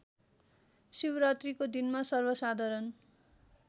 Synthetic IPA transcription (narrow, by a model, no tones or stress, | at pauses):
sibɾat̪rikod̪inmasʌrbʌsad̪ʱʌɾʌn